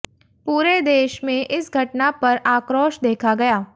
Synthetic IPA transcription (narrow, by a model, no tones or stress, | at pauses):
puːɾed̪eːʃmẽʔɪsɡʱɐʈnapɐɾʔaːkɾoːʃd̪eːkʰaɡɐjaː